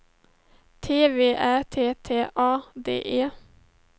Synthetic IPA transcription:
t̪ʰeːʋeːʔæt̪ʰeːt̪ʰeːʔɑːd̪ḛːʔeː

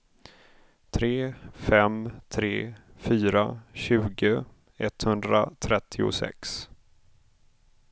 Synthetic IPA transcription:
t̪ʰɾeːfɛmt̪ʰɾeːfyːɾaɕʉ̟ːɡə | ɛt̪hɵnd̪ɾa̰t̪ʰɾɛt̪ʰːɪʊ̰sɛ̰ks

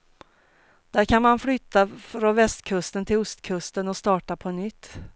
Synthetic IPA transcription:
d̪̥æɾkʰanmanflʏt̪ːafɾɔnvɛst̪kʰɵst̪ənt̪ʰɪlʊst̪kʰɵst̪ənɔst̪ɑːʈapʰɔnʏt̪ː

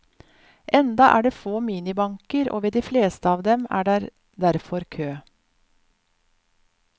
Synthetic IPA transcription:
ʔɛnd̪ɑʔæ̰ːɖeːfoːmiːnɪbɑŋkəɾʔo̰ːʋeːd̪iːfleːst̪əɑːʋd̪ɛmæ̰ːɖæːɾ | d̪æɾfɔɾkʰøː

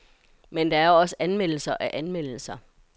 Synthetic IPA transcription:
mend̥ɑ̈æɐoɒ̽səænmel̰l̩sɐʔæʔænmel̰l̩sɐ

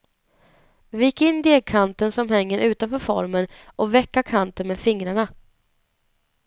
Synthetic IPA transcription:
viɪkɪnːd̪eːɡ̚kʰant̪ənsɔmhɛŋːəɾʔʉ̟ːt̪anfœːɾfɔ̰ɾmənʔɔvɛkːakʰant̪ənmeːd̪fɪŋɾaɳa

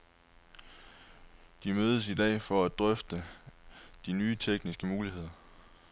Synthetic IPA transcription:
d̥imøːð̞ˠəs̬id̥ɛ̰ːfɒ̽æd̥ʁœfd̥ə | d̥inyːt͡sʰeɡ̥nisɡ̥əmuːlihe̝ð̰ˠɐ

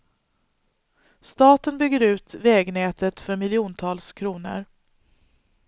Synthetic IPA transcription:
st̪ɑːt̪ənbʏɡːəɾʉ̟ːt̪vɛːɡnɛːt̪ət̪fœɾmɪlɪuːnt̪ʰɑːlskʰɾuːnə̰ɾ

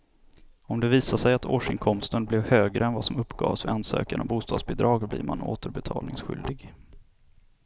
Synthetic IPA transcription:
ɔmd̪ɛviːsaʂɛjat̪ʰoːʂɪŋkʰɔmst̪ənblɛvhøːɡɾʔəɛnvasɔmɵpːɡɑ̰ːvsvɪansø̰ːkanabuːst̪ɑːd̪sbɛd̪ɾɑːɡblḭːɾmano̰ːt̪əɾbɛt̪ʰɑːlnɪŋsɧʏ̰ld̪ɪɡ

